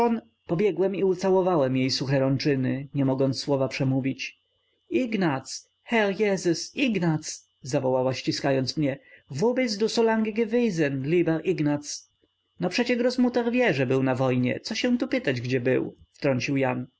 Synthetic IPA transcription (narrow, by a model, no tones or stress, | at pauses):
ɔn | pɔbʲjɛɡwɛmiut̪sawɔvawɛmjejsuxɛɾɔnt͡ʂɘnɘɲɛmɔɡɔnt̪sswɔvapʂɛmuvʲit͡ɕ | iɡnat̪s | xɛljɛzɛsiɡnat̪s | zavɔwawaɕt͡ɕiskajɔnt̪smɲɛvubɛsd̪usɔlaŋɡiɡɛvijzɛnlʲibɛɾʔiɡnat̪s | nɔpʂɛt͡ɕɛʂɾɔzmut̪aɾvʲjɛʐɛbɘwnavɔjɲɛ̰t̪sɔɕɛw̃t̪upɘt̪ad͡ʑɡd͡ʑɛbɘ̰wft̪ɾɔɲt͡ɕiwjan